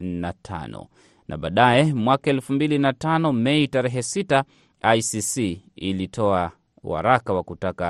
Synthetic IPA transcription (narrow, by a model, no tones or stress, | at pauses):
natʰa̰nɔ̰ | nʔa̰ɓa̰ːɗajɛmwakaɛlfumbilinatanɔmɛitaɾɛɦɛsita | ajsisiilitʰɔa | wa̰ɾakawakutaka